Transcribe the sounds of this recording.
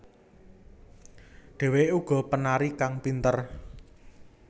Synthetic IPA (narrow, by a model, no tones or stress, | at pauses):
ɖ̥ɛ̤weuɡ̥ɔ̤pənaɾikaŋpint̪ər